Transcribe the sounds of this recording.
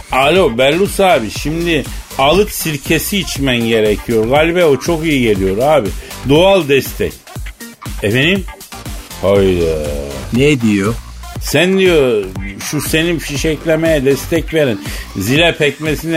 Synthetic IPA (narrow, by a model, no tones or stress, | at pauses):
alʲobæɾlusaːbiʃimd̪ialˠɯk̪siɾcʰesiːt͡ʃmænɟe̞ɾecʰijo̞ɾɡalʲbɛot͡ʃʰo̞kijiɟe̞lʲijo̞ɾaːbid̪oalˠd̪ɛst̪ʰɛ̰c | ɛfenim | hajɾɯned̪ijosænd̪ijoʃuse̞ninfiʃɛclʲemejɛd̪ɛst̪ʰɛcveɾinzilʲɛpʰɛcmesin